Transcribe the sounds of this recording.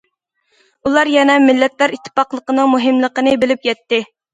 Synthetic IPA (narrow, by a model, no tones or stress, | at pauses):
ulˠɑɾjɛnɛmɪlːɛt̪læɾit̪ʰːɪ̥pɑqlˠəqənɨŋmuɦɪmlˠəqənɨbɪlɪp̚jɛt̪ːɪ